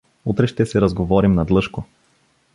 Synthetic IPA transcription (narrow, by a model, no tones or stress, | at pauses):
ut̪ɾɛʃt̪ɛsɛɾɐzɡovɔɾimnɐd̪lˠɤʃko